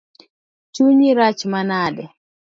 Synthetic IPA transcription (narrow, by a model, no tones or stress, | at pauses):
t͡ʃuɲiɾat͡ʃmanadɛ